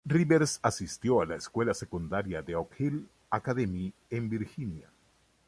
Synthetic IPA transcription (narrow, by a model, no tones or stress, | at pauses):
riβeɾsasist̪jo̞alaeskwe̞lase̞kund̪aɾjaðe̞okhil | akaðemiembiɾxinja